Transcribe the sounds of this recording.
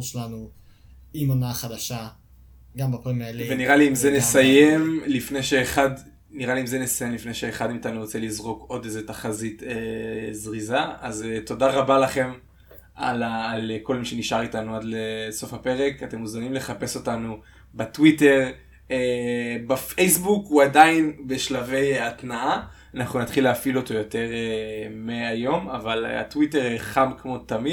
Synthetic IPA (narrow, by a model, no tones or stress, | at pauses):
ʃelanu | imonaχad̪aʃa | ɡambapomelveniʁaliimzenesajemlifnejʃeːχad | niʁaliimzenesaje̞mlifne̞jʃeːχad̪miːtanuot͡selizʁo̞ko̞d̪ejzetaχazitezʁizaazto̞daʁabalaχe̞m | a̰laːlko̞lmiʃe̞niʃaʁitanuad̪leso̞fape̞ʁe̞kate̞muzanimle̞χape̞so̞tanu | betwite̞ʁ | ebafejsbukuadainbeʃlave̞jatnaa | anaχnunat̪χileafilo̞to̞jo̞te̞ʁemeajo̞mavala̰twiteʁeχamkmo̞tami